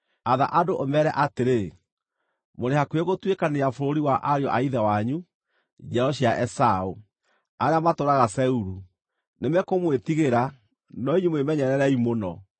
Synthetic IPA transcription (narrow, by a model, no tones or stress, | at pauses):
aða̰ʔadoʔomɛɾɛʔateɾe | moɾehakweɣotwekaneafoɾoɾiwaʔaɾeɔ̰ʔaiðawaɲu | d͡ʒɛɾɔɕ̬iaʔɛsao | aɾeamatoɾaɣasɛuɾu | nemɛkomwetiɣeɾa | nɔiɲemwemɛɲɛɾɛɾɛimonɔ